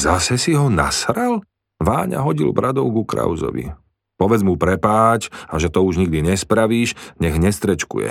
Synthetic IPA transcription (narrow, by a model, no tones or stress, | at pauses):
zasɛsiɦɔna̰sɾal | ʋaːɲa̰ɦɔɟḭlbɾad̪ɔʊɡukɾa̰ʊzɔ̰ʋḭ | pɔʋɛd͡zmupɾɛpaːt͡ʃaʒɛt̪ɔuʒɲiɡd̪iɲɛspɾaʋiːʃɲɛɣɲɛst̪ɾɛt͡ʃkṵjɛ̰